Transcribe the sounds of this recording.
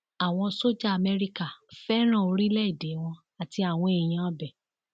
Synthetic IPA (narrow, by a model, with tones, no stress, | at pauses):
a˨w̃ɔ̃˧so˦d͡ʒa˦a˨mɛ˧ɾi˧ka˦˨fɛ˦ɾ̃ã˦˨o˧ɾi˦lɛ˦˨de˨˦w̃ɔ̃˧ | a˨ti˧a˨w̃ɔ̃˧e˨j̃ã˨˧˨bɛ˨